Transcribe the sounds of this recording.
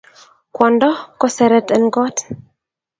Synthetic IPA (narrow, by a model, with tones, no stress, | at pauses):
kwɔndɔ˦kɔsɛ˨ɾɛtɛ˨nɡɔ˦t